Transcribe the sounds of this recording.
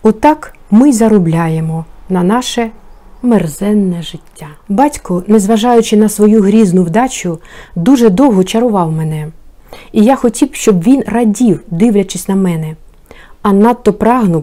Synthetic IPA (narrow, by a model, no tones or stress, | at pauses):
ɔt̪ɑkmɪzɐɾʊblʲajemɔnɐnɑʃɛ | merzɛnːɛʒɪtʲːabɑtʲkɔnezʋɐʒɑjʊt͡ʃɪnɐsʋɔjuɦɾʲiznʊwd̪ɑt͡ʃʊd̪uʒɛd̪ɔwɦɔt͡ʃɐɾʊʋɑwmɛnɛ | ijaxɔtʲiwʃt͡ʃɔbʋʲinrɐdʲiwd̪ɪwlʲɐt͡ʃɪsʲnɐmɛnɛ | ɐnɑt̪ːɔpɾɑɦnʊw